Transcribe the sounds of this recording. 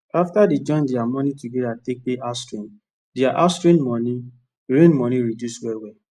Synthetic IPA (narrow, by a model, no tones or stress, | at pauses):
aftadid͡ʒɔ̃ɪ̃ndeamɔnitudeatek̚peʔastɹĩn | deaʔastɹĩnmɔni | ɹẽnmɔ̃niɹidjuswɛwɛ